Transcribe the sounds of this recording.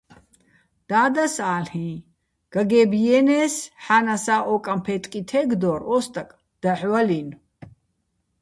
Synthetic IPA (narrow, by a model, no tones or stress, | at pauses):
d̪̥aːd̪asaːlhĩ | ɡ̥aɡɛbijɛːnɛsħanasaːʔɔkʼampʰɛt̪ʼkʼit̪ʰɛɡd̪ɔɾɔst̪ʼakʼ | d̪̥aħwalin